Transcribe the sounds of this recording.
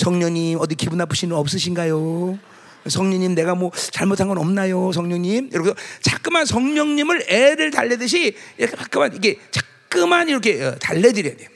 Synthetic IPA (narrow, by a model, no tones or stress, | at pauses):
sʰʌŋɲʌɲimʌd̪ikibunapʰɯɕʰinɯnʌp̚s͈ɯɕʰinɡajo | sʰʌŋɲʌɲimne̞ɡamwʌt͡ɕaɭmotʰanɡʌnʌmnajos̬ʰʌŋɲʌŋɲimjoɾʌkosʌt͡ɕak͈̚ɯmansʰʌŋɲʌŋɲimɯɾeɾɯɭtaʎːedɯɕ̬ʰiiɾʌkʰepak͈ɯmaniɡe̞t͡ɕḁk̚k͈ɯmaniɾʌkʰe̞taʎːedɯɾjʌadejo